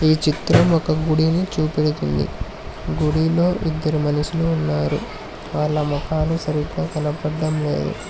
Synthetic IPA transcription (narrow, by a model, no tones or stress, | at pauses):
iːt͡ʃit̪ɾɐmɔkɐɡuɽinit͡ʃuːpeɽit̪und̪ḭ | ɡuɽilo̞ːʔid̪ːɐɾimɐnɐʃiluːnːaːɾṵ | ʋaːɭːɐmɔkʰaːlusɐɾiɡaːkɐlɐpɐɖːɐmle̞̰ːd̪ṵ